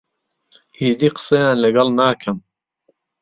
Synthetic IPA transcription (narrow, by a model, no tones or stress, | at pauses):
ʔiːd̪iːqə̥sɐjaːnlɐɡɑlˠnaːkʰɐm